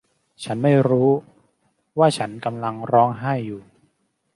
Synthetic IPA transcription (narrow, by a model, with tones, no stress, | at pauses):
t͡ɕʰa˦˥nma˥˩jɾuː˦˥ | waː˥˩t͡ɕʰa˦˥nka˧mla˧ŋɾɔː˦˥ŋɦa˥˩jːuː˨˩